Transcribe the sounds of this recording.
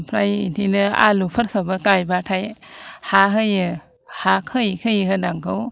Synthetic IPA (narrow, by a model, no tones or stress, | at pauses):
pʰɾajḭntʰinɯa̰lupʰɯt̚kʰɯbakajbatʰajhaɦɯjɯ | hakʰɯjkʰɯjhɯdaŋkʰɯw